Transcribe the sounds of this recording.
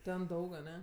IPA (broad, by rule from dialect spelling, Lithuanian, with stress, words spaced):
ˈtʲɛn ˈdɐʊk ɐˈnʲɛ